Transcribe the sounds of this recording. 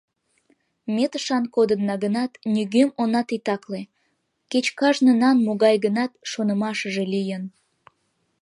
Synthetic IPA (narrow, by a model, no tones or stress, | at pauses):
met̪əʃɑnkod̪ənːɑɣənɑt̪nʲyɣømonɑt̪it̪ɑkle | ket͡ɕkɑʒnənɑnmoɣɑjɣənɑt̪̚ʃonəmɑʃəʒelijən